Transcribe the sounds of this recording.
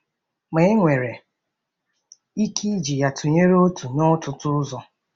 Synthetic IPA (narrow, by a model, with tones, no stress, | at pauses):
me˦e˦ŋʷe˨ɾe˨ | i˦kʰi˦d͡ʒi˨ja˨tʰu˨ɲe˦ɾo˦tu˨ɲɔ˦tʊ˨tʊ˦zɔ˦